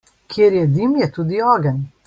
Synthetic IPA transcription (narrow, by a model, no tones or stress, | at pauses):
kʰjeːɾjɛd̪imjɛt̪uːd̪iɔːɡɛn